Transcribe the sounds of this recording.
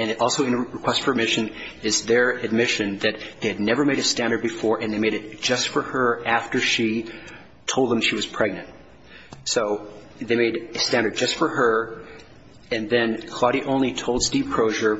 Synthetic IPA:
ɨ̃nʔɔlˠsoʊɨ̃nɹɨkʰw̥ɛstfə˞ɨdmɪʃɨ̃n | ɪzðə˞ɨd̚mɪʃɨ̃nðɨt̪̚ðeɪɨdⁿnɛvə˞meɪɾɨstæ̃ndə˞d̚bɨfɔɹʔɨ̃nðeɪmeɪɾɨt̚d̥ʒ̥ʌstfə˞ə˞æftə˞ʃi | tʰoʊlˠd̪̚ðə̃mʃiwʌz̥pʰɹ̥ɛɡ̚nɨ̃nt̚ | soʊ | ðeɪmeɪɾɨstæ̃ndə˞d̚d͡ʒʌstfə˞ə˞ | ɨ̃nðɨ̃nkʰl̥ɑɾiʔõʊ̃nlitʰoʊlˠd̥stiv̥kʰɹ̥oʊʒə˞

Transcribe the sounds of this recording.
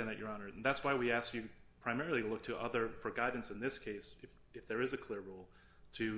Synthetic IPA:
ɛ̃nðɨt͡ʃə˞ɑnə˞dn̩ðætswaɪwiæskjɨpʰɹ̥aɪmɛɹl̩ˠilʊk̚tʰɨʔʌðə˞fə˞ɡaɪdⁿn̩sɨ̃nðɪskʰeɪsɨf | ɨfðə˞ɨzɨkʰl̥ɪɹɹulˠ | tʰɨ

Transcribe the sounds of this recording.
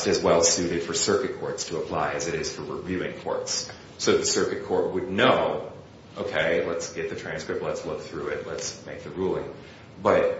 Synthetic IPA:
tɨzwɛlˠsʉɾɨd̥fə˞sɜ˞kɨt̚kʰɔɹtstʰəəpʰl̥aɪɨzɨɾɪz̥fə˞ɹɪvjʉɪ̰̃ŋkʰɔ̰ɹts | soʊðɨsɜ˞kɨt̚kʰɔɹt̚wɨdⁿnoʊ | ʔoʊkʰeɪlətsɡ̥ɛt̪̚ðɨtʰɹ̥æ̃nskɹɨp̚tˡlətslʊk̚θɹʉɪtˡlətsmeɪk̚ðɨɹulˠɪ̃ŋ | b̥ʌt̚

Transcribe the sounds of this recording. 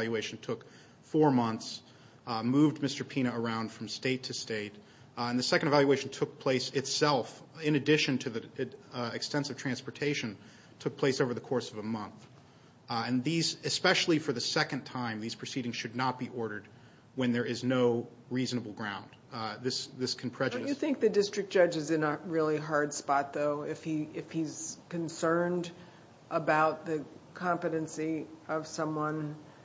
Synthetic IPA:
lˠjʉeɪʃn̩tʰʊk | fɔɹmʌ̃nθs | muvdmɪstə˞pʰĩɾ̃ɨə˞ãʊ̃nd̥fɹʌ̃msteɪtʰɨsteɪt | ɨ̃nðɨsɛkɨ̃n̩dvælˠjʉweɪʃn̩tʰʊk̚pʰl̥eɪsɨtsɛlˠfɪ̃nɨdɪʃɨ̃ntʰɨði | ɨkstɛ̃nsɨv̥tʰɹ̥æ̃nspə˞tʰeɪʃɨ̃n | tʰʊk̚pʰl̥eɪsoʊvə˞ðɨkʰɔɹsʌvəmʌ̃nθ | ɨ̃nðizɨspɛʃl̩ˠifə˞ðɨsɛkɨ̃ntʰãɪ̃mðiz̥pʰɹ̥ɨsiɾɪ̃ŋz̥ʃɨdⁿnət̚b̥iʔɔɹɾə˞d̚ | wɨ̃nðə˞ɪznoʊ | ɹiznəbl̩ˠɡɹãʊ̃nd̪ | ðɪsðɪskʰn̩pʰɹ̥ɛd͡ʒɨɾɨjɨθɪ̃ŋk̚ðɨdɪstɹ̥ɨk̚d̥ʒ̥ʌd͡ʒɨzɨ̃nəɹɪlˠiɦɑɹdspɑt̪̚ðoʊɪfhiɪfhiz̥kɨ̃nsɜ̃˞nd | ʔəbaʊt̪̚ðɨkʰɑ̃mpɨɾɨ̃nsiʌv̥sʌ̃mwʌ̃n

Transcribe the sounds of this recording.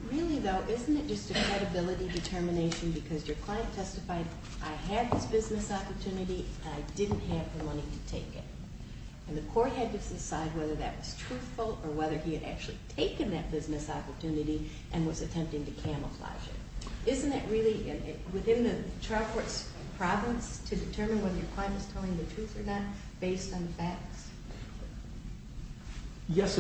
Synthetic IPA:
ɹɪlˠiðoʊʔɪzn̩tɨt̚d̥ʒ̥ʌstɨkʰɹ̥ɛɾɨbɪlˠəɾidɨtʰɜ˞mɨneɪʃɨ̃nbɨkʰʌzjə˞kʰl̥ãɪɨ̃ntʰɛstɨfaɪɾ | ʔaɪɨv̥ɨzbɪznɨsɑpə˞tʰʉnɨɾiɨ̃naɪdɪdⁿn̩ʔɦɨvðɨmʌniɾɨtʰeɪkɪ̰ɾ̚ | ɨ̃nðɨkʰɔɹt̚ɦɨd̚tɨsɨsaɪd̚wɛðə˞ðɨ̰ʔ̚wʌz̥tʰɹ̥ʉθfl̩ˠə˞wɛðə˞iɨɾæ̰k̚t͡ʃʉl̩ˠitʰeɪkɨ̃nðɨt̚b̥ɪznɨsɑpə˞tʰʉnɨɾi | ʔɨ̃nwʌzɨtʰɛ̃mp̚tɪ̃ŋtɨkʰæ̃məfla̰ɪd͡ʒɨ̰ʔɪz̃n̩ðɨʔ̚ɹɪlˠiʔɨ̃nwɨθɪ̃nðɨtʰɹ̥aɪfʰɔɹts | pʰɹ̥ɑvə̃nstʰɨdɨtʰɜ˞mɨ̃nwɛðə˞jə˞kʰw̥ãɪ̃nʌz̥tʰɛlˠɪ̃ŋðɨtʰɹ̥ʉθə˞nət̚ | b̥eɪstn̩ðəfæk̚ts | jɛs

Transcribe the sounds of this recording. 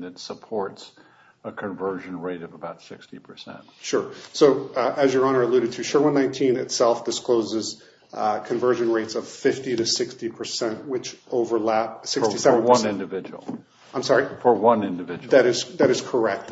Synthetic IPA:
ɨtsəpʰɔɹts | əkʰɨ̃ɱvɜ˞ʒɨ̃nɹeɪɾʌvəbaʊtsɪ̰kstipʰə˞sɛ̰̃nt̚ʃʊɹsoʊɨzjə˞ɑñə˞ɨlʉɾɨd̚tʰɨʃʊɹwʌ̃nãɪ̃ntʰĩnɨ̰tsɛlˠfd̥ɨskloʊzɨz̥ | kʰɨ̃ɱvɜ˞ʒɨ̃nɹeɪtsʌv̥fɪftiɾɨsɪkstipʰə˞sɛ̃nʔwɨt͡ʃoʊvə˞læp̚sɪkstisɛvn̩wʌ̃nɪ̃ndɨvɪd͡ʒ̰l̩ˠ | ãɪ̃msɑɹifə˞wʌ̃nɪ̃ndɨvɪd͡ʒðɨɾɨz̥ðɨɾɨz̥kʰə˞ɛk̚t̚

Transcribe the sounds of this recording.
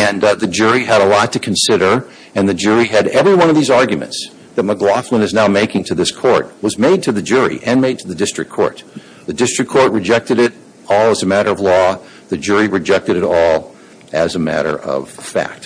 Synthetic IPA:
ɨ̃nðɨd͡ʒʊɹiɨɾəlɔtʰɨkʰn̩sɪɾə˞ | ɨ̃nðɨd͡ʒʊɹiɨɾɛvɹiwʌ̃ñʌvðizɑɹɡjɨmɨ̰̃nts | ðɨt̚məɡlɑflə̃nɨznaʊmeɪkɪ̃ŋtʰɨðɪskʰɔɹt̚wʌzmeɪd̚tʰɨðɨd͡ʒʊɹḭʔɨ̃nmeɪd̚tʰɨðɨdɪstɹ̥ɨk̚ʰɔ̰ɹt̪̚ | ðɨdɪstɹ̥ɨkʰːɔɹʔ̚ɹɨd͡ʒɛk̚tɨɾɪɾ | ɔlˠəzɨmæɾə˞ʌvlɔ | ðɨd͡ʒʊɹiɹɨd͡ʒɛk̚tɨɾɨɾɔlˠ | ɨzɨmæ̰ɾə̰˞ʔʌ̰v̥fæ̰k̚t̚

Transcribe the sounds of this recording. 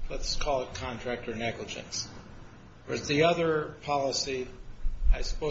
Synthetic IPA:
lətskʰɔlˠət̚kʰɑ̃ntʰɹ̥æk̚tə˞nɛɡləd͡ʒɨ̰̃ns | wə̰˞ðiʌðə˞pʰɑlˠəsi | aɪsə̥poʊ

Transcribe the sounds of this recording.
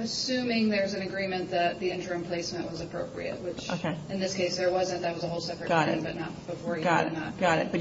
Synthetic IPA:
ɨsʉ̃mɪ̃ŋðə˞wʌzɨ̃nɨɡɹĩmɨ̃nðɨt̪̚ðiɪ̃nd͡ʒə˞ɨ̃mpʰl̥eɪsmɨ̃nʔwʌzɨpʰɹ̥oʊpʰɹḭɨ̰t̚wɪt͡ʃo̰ʊkʰeɪɨ̃nðɪskʰeɪsðə˞wʌzɨ̃nðɨt̚wʌzəɦoʊlˠsɛpɹɨtɡ̥ɑɾɨ̰̃bʌ̰tⁿnə̰t̚b̥əfɔɹjɡɑɾɨ̰nət̚ɡ̥ɑɾɨ̰t̚b̥ʌ

